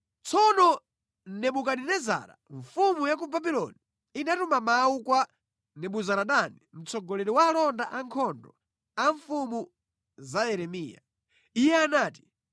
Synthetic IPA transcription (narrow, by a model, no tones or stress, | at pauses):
t͡sʰɔnɔ | nɛɓukaninɛza̰ːɾa̰ɱfumujak̬ubabilɔ̰ni | inatumamaukwa | nɛɓuzaɾaɗanim̩t͡sɔɡɔlɛɾiwaːlɔndaʔaŋkʰɔndɔ | aɱfumu | zaɛɾɛmiːja̰ | ijɛanaːti̥